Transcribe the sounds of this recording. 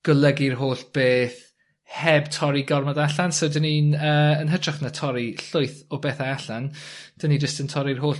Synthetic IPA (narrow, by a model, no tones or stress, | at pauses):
ɡ̥əlˠəɡirɦoːɬb̥eːθ | hɛbtʰɔɾiɡɔrmɔdaɬansowdəninəːənɦədraχnatʰɔɾiɬʊɨθɔbeːθaaɬand̥ənid͡ʒəstəntʰɔɾirɦoːɬ